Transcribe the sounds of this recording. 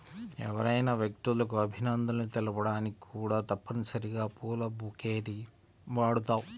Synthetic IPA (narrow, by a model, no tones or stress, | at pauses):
ɛ̰ʋɐɾɐjnɐʋjɐk̚t̪ulɐkuɐbʱinɐnd̪ɐlɐnit̪ɛlɐpɐɽaːnikikuːɽaːt̪ɐpːɐnisɐɾiɡaːpuːlɐbukeːʈi | ʋaːɽut̪aːwu